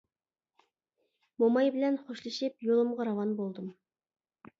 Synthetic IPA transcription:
momɑjbɪlɛnχoʃlˠɨʃɪpjolˠɨmʁɑɾɑwɑnbolˠd̪ɨm

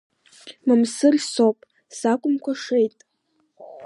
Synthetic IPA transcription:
mamsɨrsopʼ | sakʷʼʊmkʷaʂejtʼ

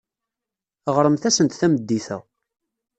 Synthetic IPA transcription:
ʁɾəmθæsənt̪θæməd̪ːiθæ̰

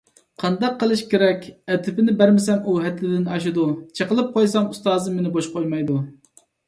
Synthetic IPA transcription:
qʰɑnd̪ɑqːəlˠɨʃkʲeɾɛkʲɛt̪ʰɪpɪnɪbæɾmɪsɛmuɦɛt̪ʰlɪd̪ɪnɑʃ̬ud̪ut͡ʃʰəqəlˠɨp̚qʰojsɑmust̪ɑːzɨmenɪboʃqʰojmɑjd̪u

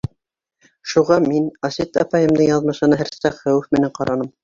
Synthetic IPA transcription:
ʃuʁɑminɑsit̪ɑ̰pɑjɤ̆md̪ɤɴjɑðmɤ̆ʃɤ̆nɑɦæɾsɑqχæwɘfmɘ̆næɴqɑɾʔɑnɤm

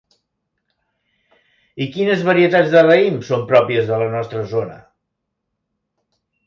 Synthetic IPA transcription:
ikinəzβəɾiət̪ad͡zðərəimsompɾɔpiəzðələnɔst̪ɾəzonə̰

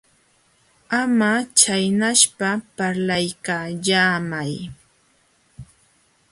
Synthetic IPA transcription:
amat͡ʃajnaʃpapaɾlajkaːʎaːmaj

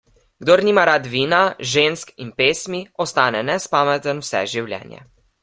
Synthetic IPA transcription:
ɡd̪oːɾniːmaɾaːt̪ʋiːnaʒenskinpeːsmiɔst̪aːnɛnɛspaːmɛt̪ənwsɛ̰ʒiwljɛ̰ːnjɛ̰

